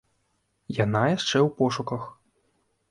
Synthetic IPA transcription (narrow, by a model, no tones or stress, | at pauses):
janajaʂt͡ʂɛwpɔʂukɐx